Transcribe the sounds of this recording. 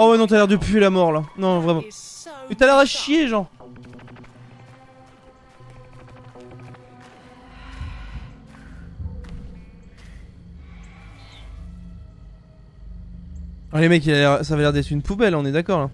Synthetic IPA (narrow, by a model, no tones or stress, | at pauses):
awɛnɔ̃t̪yalɛʁd̪əpɥelamɔʁlanɔ̃vʁɛmɑ̃wɛt̪yalɛʁaʃjeʒɑ̃ | lemɛkialɛʁsavalɛʁd̪ɛt̪χynpubɛlɔ̃nɛd̪akɔʁɛ̃